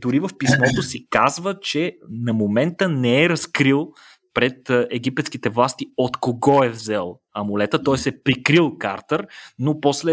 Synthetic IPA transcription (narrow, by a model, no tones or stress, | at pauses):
d̪ʊɾivɐfpismɔt̪osikazvət͡ʃɛnɐmomɛnt̪ənɛːɾɐskɾilˠ | pɾɛt̪ɛɡipɛt̪sk̟it̪ɛvlˠast̪iot̪koɡɔɛvzɛlˠ | ɐmulɛt̪ət̪ɔɛsɛpɾikɾilˠkaɾt̪əɾnopɔslɛ